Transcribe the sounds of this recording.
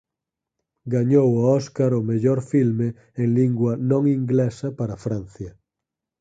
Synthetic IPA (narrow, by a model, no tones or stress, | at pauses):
ɡaɲowaɔskaɾomeʎoɾfilme | eŋliŋɡwanõŋĩŋɡlesapaɾafɾãn̟θja